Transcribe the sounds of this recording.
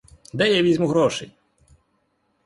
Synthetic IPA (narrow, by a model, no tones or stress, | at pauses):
d̪ɛjɛʋʲizʲmʊɦɾɔʃɛj